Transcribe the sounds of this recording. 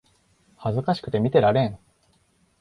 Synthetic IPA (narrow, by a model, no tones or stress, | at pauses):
hazɨkaɕi̥kɯ̟t̪e̞mʲit̪e̞ɾaɾẽ̞n